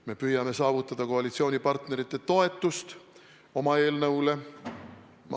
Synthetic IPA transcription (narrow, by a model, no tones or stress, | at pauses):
me̞pyjːɑme̞sɑːvut̪ːˑɑd̪̥ɑko̞ɑlit̪sio̞ːnʲipɑrt̪ne̞ɾit̪ːe̞t̪o̞e̞t̪ˑːust̪ | o̞mɑe̞ːlnɤwle̞ | m